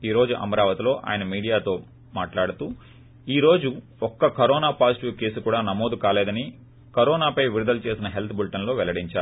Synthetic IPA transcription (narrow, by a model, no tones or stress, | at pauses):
iːɾo̞ːd͡ʒuʔɐ̰mɐɾaːʋɐt̪ilo̞ːʔa̰ːjɐnɐmiːɽijaːt̪o̞ː | maːʈlaːɽut̪uː | iːɾo̞ːd͡ʒu | ɔkːɐkɐɾɔːnaːpaːsiʈuːkeːsukuːɽaːnɐmoːd̪ukaːleːd̪ɐni | kɐɾɔːnaːpɐjʋiɾud̪ɐlut͡ʃe̞ːsinɐɦe̞lt̪ʰbulʈɐnlo̞ːʋɛlɐɽiɲt͡ʃaːɾu